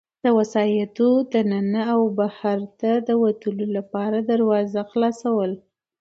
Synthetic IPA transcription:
d̪̥əwasɑjat̪od̪ənanəawbahaɾt̪ad̪əwat̪əlolapɑɾad̪aɾwɑzaxlɑsawəl

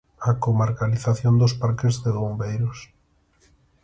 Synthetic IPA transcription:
akomaɾkaliθaθjond̪ʊspaɾkɪzðeβombejɾʊs

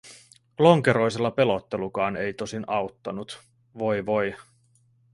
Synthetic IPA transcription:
lo̞ŋke̞ɾo̞jse̞lːɑpe̞lo̞t̪ːe̞lukɑːne̞jt̪o̞sinɑwt̪ːɑ̰nut̪ | ʋo̞jʋo̞j

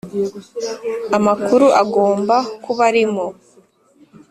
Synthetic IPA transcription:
amakuɾuʔaɡo̞ːmbakuβaɾimo

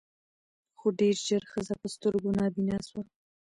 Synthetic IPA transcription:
xoɖeɾʒəɾxəzapəst̪əɾɡonɑbinaswa

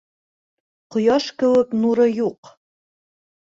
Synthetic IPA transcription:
qŏjɑʃkɘ̆wɘknuɾɤjuq

